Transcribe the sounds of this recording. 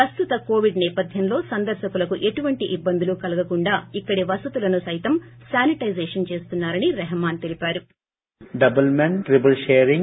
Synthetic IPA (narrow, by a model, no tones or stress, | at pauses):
pɐst̪ut̪ɐko̞ːʋiɖnɛːpɐd̪ʱjɐmlo̞ːsɐnd̪ɐɾʃɐkulɐkuʔe̞ʈuʋɐɳʈiʔibːɐnd̪ulukɐlɐɡɐkuɳɖaːikːɐɽiʋɐsɐt̪ulɐnusɐjt̪ɐmsaːniʈɐjzɛːʂɐnt͡ʃe̞ːst̪unːaːɾɐniɾɛɦɐmaːnt̪e̞lipaːɾu | ɖɐbɐlmeɳʈʈɾibɐlʃeːɾiŋ